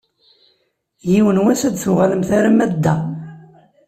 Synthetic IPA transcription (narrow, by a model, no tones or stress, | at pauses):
jiwənwæsæd̪θuʁaləmθæɾəmæd̪ːæ